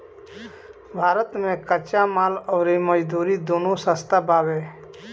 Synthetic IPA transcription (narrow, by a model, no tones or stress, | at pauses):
bʱaːɾət̪mẽkət͡ʃamaːlɔːɾiməd͡ʒd̪uːɾid̪oːnõsəst̪ʰabaːʋeː